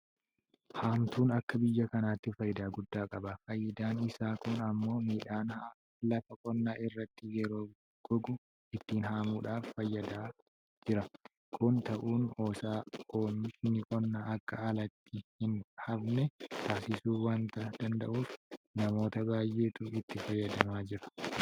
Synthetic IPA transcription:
haːmt̪uːnɐkːɐbɪjːɐkɐnaːt̪ːɪfɐjɪd̪aːɡʊd̪ːaːkʼɐbɐfɐjːɐd̪aːnɪsaːkʊnɐmːo̞ːmiːᶑaːna | lɐfɐkʼɔnːaːʔɪrːɐt̪ːɪjɛɾo̞ː | ɡ̥ɔɡʊ | ɪt̪ːiːnhaːmuːᶑaːfːɐjːɐd̪aː | d͡ʒɪɾɐ | kʰʼʊnt̪ɐʔuːno̞ːsaːʔoːmɪʃnɪkʼɔnːaːʔɐkːɐɐlɐt̪ːɪhɪnhɐbnɛt̪ʰaːsɪsuːwaːnt̪ɐd̪̥ɐnd̪ɐ̰ʔuːfnɐmo̞ːt̪ɐbaːjʔeːt̪ʊɪt̪ːɪfɐjːɐd̪ɐmaːd͡ʒɪɾɐ̥

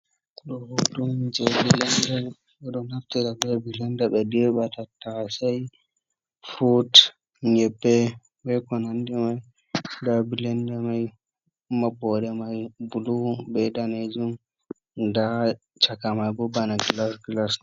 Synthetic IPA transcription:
ɗɔhudumd͡ʒɛbilɛndɛ | ɔɗɔnaftɛɾabɛbilɛndaɓɛdɛɓatatːasaj | fot | ɲɛbːɛ | ɓɛkɔnandɛmaj | dabilɛndamaj | mabɔɗɛmajbulubɛdaned͡ʒum | da | t͡ʃakamajbɔbanaɡlasɡlas

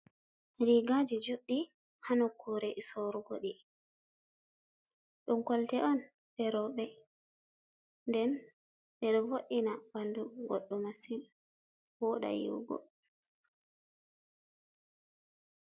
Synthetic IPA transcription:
ɾiɡad͡ʒid͡ʒuɗːi | hanɔkːuɾɛʔisoɾuɡoɗi | ɗumkɔltɛʔɔn | ɓɛɾɔɓɛ | ndɛn | ɗɛɗɔvoʔinabanduɡɔ̰ɗːɔmasim | wɔɗa̰jḭwɡɔ̰

